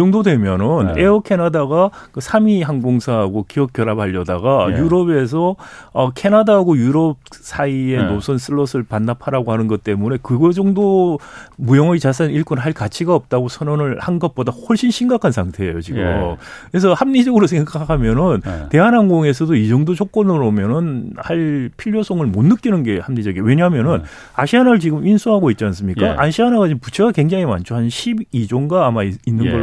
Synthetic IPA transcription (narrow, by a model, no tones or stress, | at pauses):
iʌŋdodwe̞mjʌnɯneʌkʰe̞nadaɡakɯsʰamiɦanɡoŋsʰaɦaɡokiʌk̚k͈jʌɾabaʎːʌda̰ɡajuɾʌbe̞sʰʌʌkʰe̞nadaɦaɡojuɾʌp̚sʰaie̞nosʰʌns͈ʰɯɭːʌsʰɯɭpanːapʰaɾaɡohanɯnɡʌt̚t͈e̞mune̞kɯɡʌd͡ʑʌŋdo | mujʌŋɯt͡ɕasʰaniɭk͈onɭɦaɭkat͡ɕʰiɡaʌp̚t͈aɡosʰʌnʌnɯɭhanɡʌt̚p͈odahʌɭɕ͈inɕʰiŋɡakʰansʰaŋtʰe̞ḛjot͡ɕiɡɯ̰kesʰʌhamɲid͡ʑʌɡɯɾosʰeŋɡakʰamjʌnɯnte̞ɦanɦanɡoŋe̞s̬ʰʌdoid͡ʑʌŋdot͡ɕʰok̚k͈ʌnɯɾomjʌnɯnhaɭpʰiʎjosʰoŋɯɭmonːɯk͈inɯnɡe̞hamɲid͡ʑʌɡiewe̞ɲaɦamjʌnɯn | a̰ɕʰianaɭt͡ɕiɡɯminsʰuɦaɡoit̚t͡ɕ͈ians͈ɯmɲik͈a̰ʔanɕʰiɦanaɡat͡ɕimput͡ɕʰeɡake̞ŋd͡ʑaŋima̰nt͡ɕʰoɦanɕʰibid͡ʑoŋɡaːmainːɯnɡʌ